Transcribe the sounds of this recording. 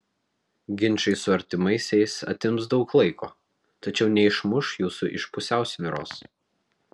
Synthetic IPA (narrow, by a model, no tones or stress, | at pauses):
ɡʲɪnʲˑt͡ʃɐɪsʊɐɾʲt̪ʲɪmɐɪsʲɛɪsɐ̰t̪ʲɪmsd̪ɒʊklˠɐɪkʰoː | t̪ɐt͡ʃʲɛʊnʲɛɪʃmʊʃjuːsʊʔɪʃpʊsʲæˑʊsʲʋʲɪɾo̰ːs